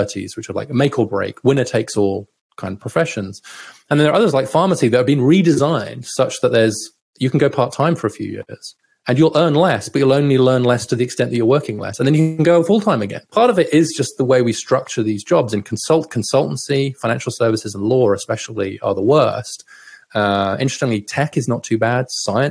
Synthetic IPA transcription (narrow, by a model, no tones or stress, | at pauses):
əɾḭz̥wɨt͡ʃə˞la̰ɪkmeɪkʰlˠbɹḛɪkʰwɪ̃nə˞tʰeɪksɔlˠ | kʰãɪ̃ndʌ̥vpʰɹ̥əfɛʃɨ̃nz̥ɨ̃nð̃ɨn̩ðə˞ʌðə˞zlaɪkfɑɹməsiðɨtəbĩnɹidɨzãɪ̃nd̥sʌt͡ʃðətʔ̪̚ðə˞z̥ | jɨkʰn̩ɡoʊpʰɑɹtʰãɪ̃ɱfə˞ɨfjʉ̰jɪ̰ɹz̥ | ɨ̃njəlˠʔɜ̃˞nlɛsb̥ʌt͡ʃɨlˠõʊ̃nlilɜ̃˞nlɛstʰɨðiɨkstɛ̃nʔðɨt͡ʃə˞wɜ˞kɪ̃ŋlɛ̰sə̃n̩ðɨ̃njɨkkn̩ɡoʊfʊlˠtʰãɪ̃mɨɡɛ̰̃npʰɑɹɾʌvɪɾɪzd͡ʒʌst̪̚ðəweɪwistɹ̥ʌk̚t͡ʃə˞ðizd͡ʒɑbzɨ̃nkʰn̩sʌlˠt̚kʰn̩sʌlˠʔn̩sifãɪ̃næ̃nʃl̩ˠsɜ˞vɨsɨzə̃n̩lɔɹɨspɛʃl̩ˠiə̰˞ðəwɜ˞stʌɪ̰̃nt͡ʃɹ̥ɛstɪ̃ŋlitʰɛkɨznətʰʉbæd̥saɪɨ̃n